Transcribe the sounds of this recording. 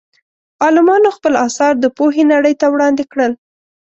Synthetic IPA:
ɑlɪmɑnoxpəlɑsɑɾd̪əpoɦenaɽəjt̪awɽɑnd̪ekɽəl

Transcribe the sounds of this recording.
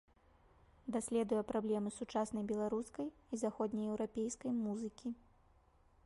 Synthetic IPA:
d̪asʲlʲɛd̪ujɛpɾablʲɛmɨsut͡ʂasnɐjbʲɛlˠaɾuskɐjizaxɔd̪ʲnʲɐjɛwɾapʲejskɐjmuzɨkʲi

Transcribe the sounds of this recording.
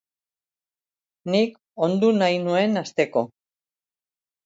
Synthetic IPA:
nik | o̞nd̪unajnue̞nast̪e̞ko̞

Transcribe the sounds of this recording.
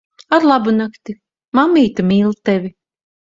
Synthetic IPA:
aɾlˠabunakt̪i | mamːiːt̪amʲiːlˠt̪ɛvʲi

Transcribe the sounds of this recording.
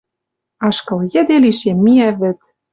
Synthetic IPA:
ɑʃkɤ̆ljɘ̆d̪eliʃemːiæβɘ̆t̪

